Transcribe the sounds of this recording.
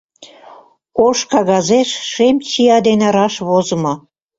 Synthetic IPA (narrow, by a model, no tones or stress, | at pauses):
oʃkɑɣɑzeʃʃemt͡ɕiɑd̪enɑɾɑʃβozə̆mo